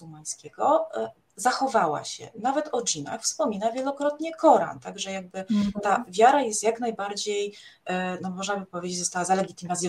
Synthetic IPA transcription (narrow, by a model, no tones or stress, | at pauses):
umaj̃skʲɛɡɔ | zaxɔvawa̰ɕɛ̰navɛt̪ʰɔd͡ʑina̰xfspɔmʲinavʲjɛlɔkɾɔt̪ɲɛkɔɾa̰nt̪aɡʐɛjaɡ̚bɘt̪avʲjaɾajɛst̪ʲjaknajbaɾd͡ʑej | nɔmɔʐnabɘpɔvʲed͡ʑet͡ɕzɔst̪awazalɛɡʲit̪ɘmazʲ